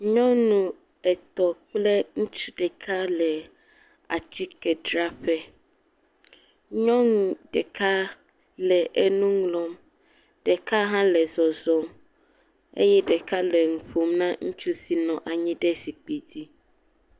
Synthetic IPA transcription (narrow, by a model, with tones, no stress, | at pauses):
ɲɔ̃˦nũ˦ | ɛ˨t̪ɔ˨k͡plɛ˦ŋũ˦t͡ʃu̥˦ɖɛ˨kʰa˦lɛ˨ | a̰˨t͡ɕi˦kɛ˨ɖɾa˦ɸɛ˦ | ɲɔ̃˦nũ˨ɖɛ˨kʰa˦ | lɛ˨ʔɛ˦nũ˦ŋlɔ˦m | ɖ̥ɛ˨ka˦ɦã˦lɛ˨zɔ˨zɔ˦m | ḛ˦jɛ˦ɖɛ˨ka˦lɛ˨ŋũ˨ɸo˨mnã˦ŋu˦t͡ʃu˦si˨nɔ̃˨ʔa˨ɲĩ˦ɖɛ˦si˨k͡pe˨di˦